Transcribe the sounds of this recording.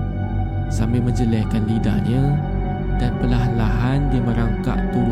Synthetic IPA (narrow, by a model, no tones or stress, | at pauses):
sambɪlmə̃ɲd͡ʒəlɛhkanlida̰ʔɲã | danpəlaɦanlaɦandiməɾaŋka̰ʔt̪uɾ